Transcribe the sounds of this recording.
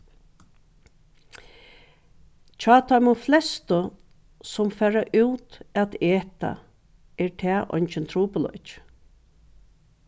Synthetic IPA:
t͡ʃʰɑːt̪ʰɔjmʊflɛst̪ə | sʊmfæːɹaʔʉwt̪ɛt̪eːt̪a̰ | ɛɹt̪ʰɛːʔɔ̰jnt͡ʃɪnt̪ʰɾuːpʊlɔ̰t͡ʃ

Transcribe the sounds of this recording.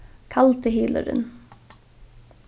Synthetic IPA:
kʰɑlt̪ʰəhiːdlə̰ɾə̰n

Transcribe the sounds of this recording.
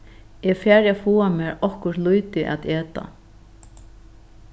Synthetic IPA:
ɛfɛːɾafuːamɛːɾɔhkʊɾt̪lujt̪ɪʔa̰t̪eːt̪a̰

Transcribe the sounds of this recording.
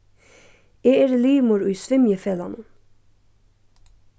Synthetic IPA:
eːeːɾliːmʊɾʉːsʋɪmjəfɛlɑnən

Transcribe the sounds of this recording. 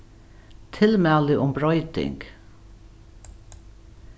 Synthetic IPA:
t̪ʰɪlmæːlɪʔʊmbɾɔʏt̪ɪ̰ŋk

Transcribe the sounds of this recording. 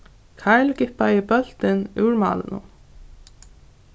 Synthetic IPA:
kʰaɹlkɪpaɪbœl̥t̪ɪnʉːɹmɑ̰ːlɪ̰nʊ̰m

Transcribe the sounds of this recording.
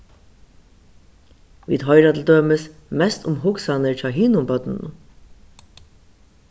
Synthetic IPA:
ʋḭːd̪hœʏɾat̪l̩d̪øːməsmɛst̪ʰʊmɦʊksanəɹt͡ʃaɦiːnʊmbœt̪n

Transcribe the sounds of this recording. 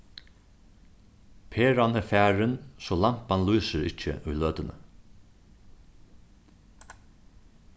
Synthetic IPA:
pʰeːɾanəfæːɹɪnsɔːlam̥panluːsəɾɪ̰c͡çə̰ʔʊjløːt̪ənə̰

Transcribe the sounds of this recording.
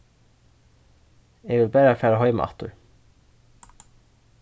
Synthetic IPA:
eːɡʋɪlbæːɾfæːɹəhœʏm̰ʔɑ̰t̪ʊ̰ɹ

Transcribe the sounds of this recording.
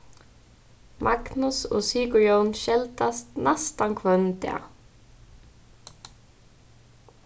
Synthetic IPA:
mʔaɡnusɔ̰siːkɹjownʃɛlt̪ast̪nɛst̪ankʰvœnt̪ɪa̰

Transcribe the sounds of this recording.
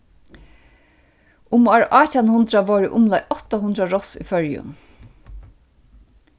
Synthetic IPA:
ʊmaɹʔaːtanhʊnd̪ɾaʋɔːɹɪʔʊmlajʔɔht̪aɦʊnd̪ɾaɹɔsḭfœɹjʊ̰n

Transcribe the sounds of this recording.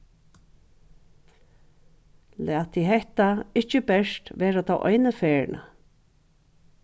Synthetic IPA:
læːt̪ʰiɦɛht̪aɪçt͡ʃəbɛʂt̪ʋeːɾat̪ʰa̰wʔɔ̰jnəfeːɹɳa̰

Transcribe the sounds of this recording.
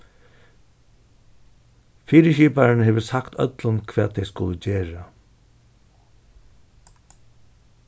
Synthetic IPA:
fiːɾɪʃiːpaɹɪnheːʋəsakt̪ʰœ̰t̪lʊnkʰvɛːd̪t̪ʰejskʊləd͡ʑeːɹa

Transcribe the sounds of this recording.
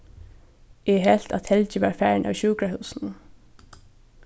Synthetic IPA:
ɛɦɛl̥t̪at̪hɛlt͡ɕɪʋaːɹfæɹnʔa̰wçuːkɾaɦʉːsn̩

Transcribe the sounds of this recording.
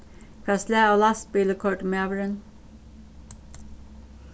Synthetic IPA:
fɾɑːslæːoːlɑst̪̚biːləkʰɔɹʈmeːʋəɹən

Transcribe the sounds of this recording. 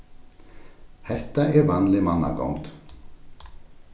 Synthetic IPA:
hɛt̪ːaʔɛɾvanlɪmanːa̰ɡɔ̰ŋt̪

